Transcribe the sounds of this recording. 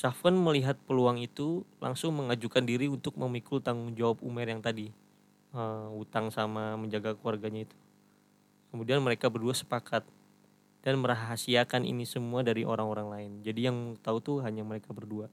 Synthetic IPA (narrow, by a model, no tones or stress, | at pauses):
safkanməliɦat̪̚pəluaŋit̪ulʔa̰ŋsʊŋməŋad͡ʒukandiɾiunt̪ʊk̚məmikut̪aŋʊŋd͡ʒawapṵmɛrjaŋt̪adi | əut̪aŋsamaməɲd͡ʒaɡakəluarɡaɲait̪u̥ | kəmudianməɾekabərduasə̥pakʰat̪̚ | d̥anməɾaɦaɦasiakanʔḭnisəmuadaɾiʔo̰ɾaŋoɾaŋlaɪnd͡ʒadijaŋt̪aut̪uɦaɲaməɾekabərdua